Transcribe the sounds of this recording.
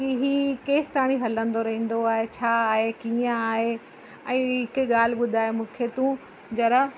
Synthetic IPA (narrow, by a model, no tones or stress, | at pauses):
iɦiːkeːst̪aːɽ̃iɦɐlə̃nd̪oɾɐɦĩːn̆d̪oaːɦet͡ɕʰaːaːɦekiːãaːɦe | ɛ̃ːɦɪkɠaːl̤ɪɓʊd̪ʱaːɦemũːkʰet̪ũː | d͡ʑɐɾə